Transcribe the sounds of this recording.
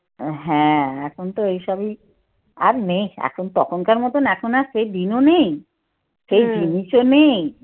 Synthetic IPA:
ɦɛ̃ɛkʰont̪oejʃɔbi | a̰ɾnejɛ̰kʰont̪ɔkʰonkaɾmɔt̪onɛkʰonaʃejd̪inonej | ʃejd͡ʑiniʃonej

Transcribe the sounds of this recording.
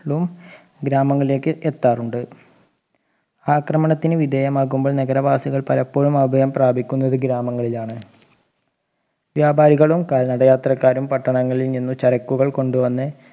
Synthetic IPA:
ɭum | ɡɾaːmɐŋːɐɭile̞ːkːɨʔet̪ːaːruɳɖɨ | aːkrɐmɐɳɐt̪ːinɨʋid̪ʱeːjɐmaːɣumbo̞ːɭnɐɡɐɾɐʋaːsiɣɐɭpɐlɐpːo̞ːɻumɐbʱɐjɐmpraːbʱikʲːunːɐðɨɡɾaːmɐŋːɐɭilaːɳɨ | ʋjaːbʱaːɾiɣɐɭumkaːlnɐɽɐjaːt̪rɐkːaːɾumpɐʈːɐɳɐŋːɐɭilninːut͡ɕɐɾɐkːuɣɐɭko̞ɳɖuʋɐnːɨ

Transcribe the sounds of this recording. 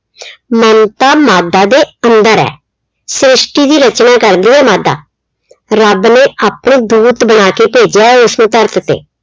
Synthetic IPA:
mənt̪aːmaːd̪aːd̪eːənd̪əɾɛ̰ː | sɾɪsʈiːd̪iːɾət͡ʃnaːkəɾd̪iːɛːmaːd̪a̰ː | ɾəbneːʔaːpɳd̪uːt̪bəɽ̃aːkeːpeːd͡ʒjaːɛːʊsnũːt̪əɾt̪t̪ḛː

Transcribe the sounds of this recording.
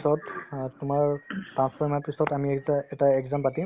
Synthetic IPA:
sɔtːʊmaɹtɹãnspʰɔɹmapisɔtamiɛtaɛɡzampatĩ

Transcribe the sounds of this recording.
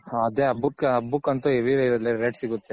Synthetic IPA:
aɐd̪eɐbukːɐbukːɐnt̪ueʋiɾeiɾɐleɾeɖsiɡut̪ːe

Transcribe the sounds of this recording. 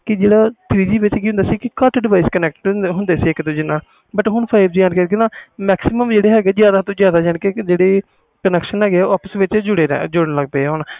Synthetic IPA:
kɪd͡ʒeːɽaːt̪ʰɾiːd͡ʒiːʋɪt͡ʃkiːɦʊ̃nd̪aːsiːkɪkəʈʰɖɪʋaːiːskənɛːk̚ʈɦʊnd̪eːsiːɪkt̪õːd͡ʒɪnːaːl | bəʈɦʊɳpʰaːɪbd͡ʒãːnkəɾɡenaːmɛːksɪməmd͡ʒeːɽeːɦɛːɡeːzjaːd̪aːt̪õːzjaːd̪aːd͡ʒəɳkeːd͡ʒeːɽeː | kənɛːkʃənɦɛːɡeɛːɔːpəsʋɪt͡ʃd͡ʒʊɽḛːd͡ʒʊɽənləɡ̚d̪eːɦon

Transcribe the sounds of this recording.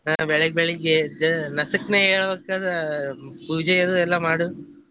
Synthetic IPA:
abɛɭɐɡ̚bɛɭiɡed͡ʒnɐsɐkneːeːɭbɐkːaːd̪ɐpuːd͡ʒɛjɐd̪uɛlːɐmaːɽu

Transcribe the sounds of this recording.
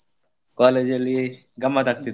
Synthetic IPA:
kɔːled͡ʒeli | ɡɐmːat̪ɐk̚t̪i

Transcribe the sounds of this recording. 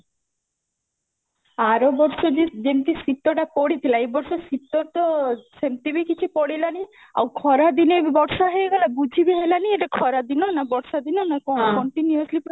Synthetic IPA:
aɾobɔɾʃod͡ʒed͡ʒemt̪isit̪ːoʈapɔɽit̪ʰilaebɔɾʃɔsit̪ːot̪ɔsemt̪ibikit͡ʃʰupɔɽilani | a̰wkʰɔɾad̪inebɔɾʃaɦeeɡalabud͡ʒʱibeɦelanieʈakʰɔɾad̪inonabɔɾʃad̪inonakɔkɔɳʈinioslip

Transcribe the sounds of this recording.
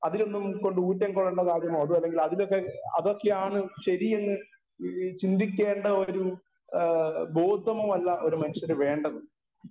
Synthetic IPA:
ɐðilo̞nːumko̞ɳɖɨuːtːɐŋkoɭːɐɳɖɐkaːɾjɐmoːɐðuɐlːe̞ŋɡilɐðilokːeɐ̰ðo̞kːe̞aːɳɨɕɐɾienːɨ | t͡ɕind̪ikʲːe̞ːɳɖɐo̞ɾu | bo̞ːd̪ʱːɐmoɐlːɐʔo̞ɾumɐnuʂjɐɾʋe̞ːɳɖɐðu

